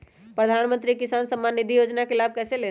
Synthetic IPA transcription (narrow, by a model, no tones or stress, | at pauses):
pɾəd̪ʱanmə̃nt̪ɾikisansəmːanːid̪ʱijod͡ʒnakelab̚ʱkɛsele